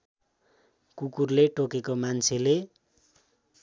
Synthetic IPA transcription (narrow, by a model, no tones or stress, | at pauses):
kukurleʈokekomant͡sʰele